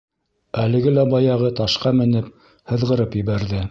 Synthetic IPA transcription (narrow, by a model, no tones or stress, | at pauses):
ælɘ̆ɡɘlæbɑjɑʁɤt̪ɑʃqɑmɘ̆nɘp̚ | hɤ̆ðʁɤ̆ɾɤpjɘ̆βæɾðɘ